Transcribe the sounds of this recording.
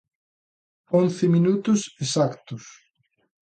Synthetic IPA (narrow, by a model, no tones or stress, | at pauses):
õnθɪminut̪ʊsesakt̪ʊs